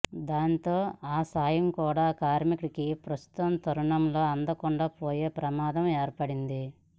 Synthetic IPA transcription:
d̪aːnt̪o̞ːaːsaːjɐmkuːɽaːkaːɾmikɭkipɾɐst̪u̥t̪ɐmt̪ɐɾuɳɐmlo̞ːɐnd̪ɐkuɳɖaːpoːje̞ːpɾɐmaːd̪ɐmeːɾpɐɽind̪i

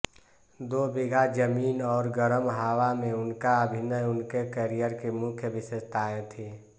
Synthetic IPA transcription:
d̪oːbiɡad͡ʒəmiːnɔːɾɡəɾəmɦaːwamẽʊnkaəbʱinəjʊnkekəɾijəɾkemʊkʰjəbɪʃest̪aːẽt̪ʰe

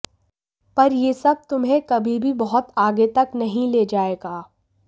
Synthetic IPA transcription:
pɐɾjeːsɐb̚t̪ʊmɦẽkɐbʱibʱibɐɦʊt̪aːɡet̪ɐknɐɦĩleːd͡ʒaːeːɡaː

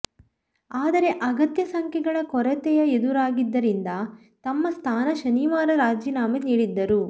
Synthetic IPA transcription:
aːd̪ɐɾe̞ʔɐɡɐt̪jɐsɐŋkʰɛɡɐɭɐkɔɾɐt̪ɛjɐed̪uɾaːɡid̪ːɐɾind̪ɐ | t̪ɐmːɐst̪ʰaːnɐʃɐniʋaːɾɐɾaːd͡ʒinaːmeniːɽid̪ːɐɾu

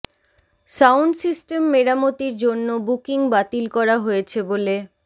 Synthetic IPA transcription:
sawɳɖsisʈemːeɾamot̪iɾd͡ʑonːobukiŋbat̪ilkɔɾaɦojet͡ɕʰebole

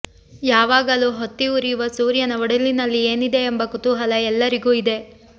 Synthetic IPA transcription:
jaːʋaːɡɐluːɦot̪ːiuɾijuʋɐsuːɾjɐnɐʋɔɽɐlinɐlːieːnid̪e̞ːmbɐkut̪uɦɐlɐɛlːɐɾiɡuːid̪e̞

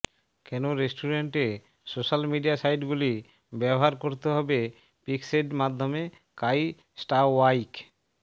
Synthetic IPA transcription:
kɛnoɾesʈuɾeɳʈe | soʃalmiɖiasajɖɡuli | bɛboɦaɾkoɾt̪eɦɔbe | pikseɖmad̪ʱːome | kaj | sʈawajk

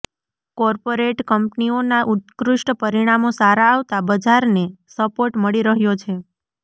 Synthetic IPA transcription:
kɔɾpoɾeʈkəmpnionaʔut̪kɾʊʂʈəpəɾiɽ̃amosaɾaːʋt̪abəd͡ʒaɾnesəpoɾʈməɭiɾəɦjot͡ʃʰe

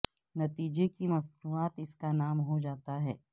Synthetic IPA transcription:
nɐt̪iːd͡ʒekimɐsnuaːt̪ɪskanaːmɦod͡ʒaːt̪aɦɛ̰ː

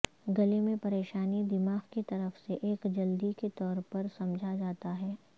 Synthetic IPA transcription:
ɡɐlemẽpɐɾeːʃaːnid̪ɪmaːɣkit̪ɐɾəfseʔeːkd͡ʒɐld̪iket̪ɔːɾpɐɾsɐ̃md͡ʒʱad͡ʒaːt̪aɦɛː

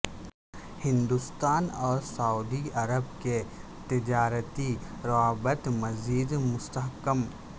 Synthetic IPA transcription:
hɪ̃nd̪ust̪aːnɔːɾsauːd̪iɐɾəbke | t̪ɪd͡ʒaːɾət̪iɾaɦbət̪mɐziːd̪mʊst̪əɦkəm

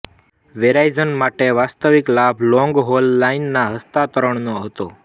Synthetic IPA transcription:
ʋeɾajzənmaʈeʋast̪əʋiklabʱlɔ̃ŋɡɦolːainːaɦəst̪at̪əɾəɳ̃noɦət̪o

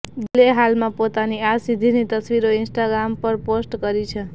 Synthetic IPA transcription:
ɡ̪ileɦalmãpot̪aniasid̪ʱinit̪əsʋiɾoɪnsʈaɡɾampəɾposʈkəɾit͡ʃʰe

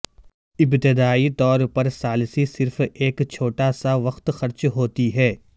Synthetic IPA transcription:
ɪbt̪ɪd̪aːit̪ɔːɾpɐɾsaːlsisɪɾfeːkt͡ʃʰoːʈasaʋɐxt̪xɐɾt͡ʃɦoːt̪iɦɛː

